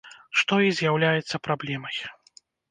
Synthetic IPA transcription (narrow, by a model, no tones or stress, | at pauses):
ʂt̪ɔizʲjawlʲajɛt̪sːɐpɾablʲɛmɐj